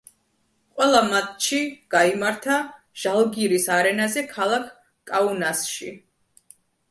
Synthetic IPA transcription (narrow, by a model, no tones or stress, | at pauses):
qʼwɛlˠamat̪ʃiɡ̥aimaɾt̪ʰa | ʒ̥alˠɡiɾisaɾɛnazɛkʰalˠakʰ | kʼaunasʃi